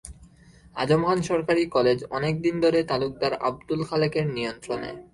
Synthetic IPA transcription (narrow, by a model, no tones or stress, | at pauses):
ad͡ʑomkʰanʃɔɾkaɾikɔled͡ʑɔ̰nek̚d̪ind̪ʱoɾet̪aluk̚d̪aɾa̰b̚d̪ulkʰalekeɾnijont̪ɾonḛ